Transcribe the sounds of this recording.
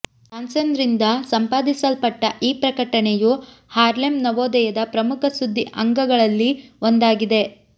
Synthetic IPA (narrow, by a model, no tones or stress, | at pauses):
saːnsɐnd̪ɾind̪ɐsɐmpaːd̪isɐlpɐʈːɐʔiːpɾɐkɐʈɐɳeju | haːɾlemnɐʋoːd̪ɐjɐd̪ɐpɾɐmukʰɐsud̪ʱːiʔɐŋɡɐɡɐɭɐlːiond̪aːɡid̪e̞